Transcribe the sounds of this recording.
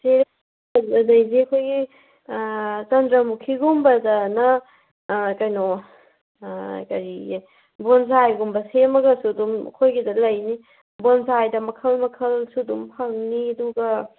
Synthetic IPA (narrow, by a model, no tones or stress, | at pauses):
seɾ | ɐdɐjziɐkʰojɡi | t͡ʃɐndɾɐmukʰːiɡumbɐdɐnɐ | kɐjnɔ | kɐɾi | bons̬ajɡumbɐsemɐɡɐsudumɐ̰kʰojɡidɐlɐjni | bonsajdɐmɐkʰɐlmɐkʰɐlsudumpʰaŋniɐduɡɐ